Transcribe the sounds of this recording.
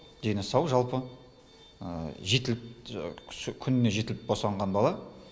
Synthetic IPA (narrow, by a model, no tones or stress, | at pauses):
d̪̥e̞nɪsɑwʒɑlˠpə | ə̰ʒe̞t̪ɪlp̚ | kʲʰʏnɪne̞ʒe̞t̪ɪlɪp̚bosɑɴʁɑnbɑlˠɑ